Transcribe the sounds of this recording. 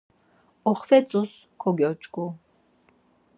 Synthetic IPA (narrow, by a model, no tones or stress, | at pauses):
ɔχfɛt͡sʼus | kʰɔɡɛt͡ʃʼkʼu